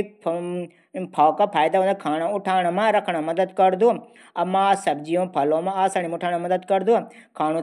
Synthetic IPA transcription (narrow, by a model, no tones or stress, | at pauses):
pʰaːwkapʰaːjd̪aɦõːnd̪akʰaːɽ̃ãʊʈʰaːʋɳamãɾɐkʰɽ̃amɐd̪əd̪kəɾd̪ũ | ɐmãsɐbd͡ʒijõːpʰɐlõmãaːsaːñimʊʈʰaːɽ̃ãmɐd̪əd̪kɐɾd̪ũ | kʰaːɽ̃ũ